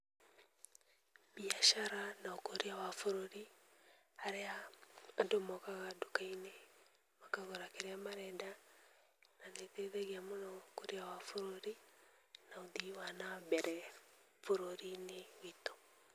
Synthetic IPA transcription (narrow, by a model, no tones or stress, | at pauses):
biaʃaɾanaokoɾiawafoɾoɾi | aɾeandomɔkaɣadokaine | makaɣoɾakeɾeamaɾɛnda | naneteðɛɣiamonaokoɾiawafoɾoɾi | naoðiwanaβɛɾɛ | foɾoɾinewito̥